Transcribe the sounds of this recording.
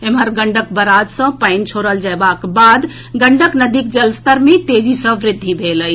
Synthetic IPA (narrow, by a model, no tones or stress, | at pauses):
emɦəɾɡəɳɖək̚bəɾad̪sə̃paɪnt͡ʃʰoɾəld͡ʒaebakbad̪ | ɡəɳɖəknəd̪ik̚d͡ʒəlst̪əɾmet̪ed͡ʒisə̃ʋɾɪd̪ʱːibʱeləj